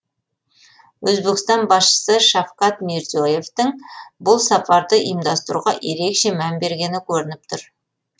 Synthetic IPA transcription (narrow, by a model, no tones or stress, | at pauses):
wɵzbe̞kʲɪ̥st̪ɑnbɑsʃə̥səʃɑfqɑt̪meɾzioje̞ft̪ɪŋbʊlˠsɑpʰɑɾd̪əʔḭjəmd̪ɑst̪əɾuʁɑ̰ʔje̞ɾe̞kʃe̞mænbe̞ɾɡʲe̞nɪkʲʰɵɾɪnɪp̚t̪ʰʊɾ